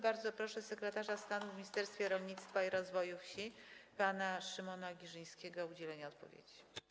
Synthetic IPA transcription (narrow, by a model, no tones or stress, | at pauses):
baɾd̪zɔpɾɔʂɛsɛkɾɛt̪aʐast̪anuvmʲiɲist̪ɛɾst̪fʲjɛɾɔlɲit̪st̪faiɾɔzvɔjufɕipanaʂɘmɔnaɡʲiʐɘj̃skʲɛɡɔud͡ʑɛlɛɲaɔt̪̚pɔ̰vʲjḛd͡ʑi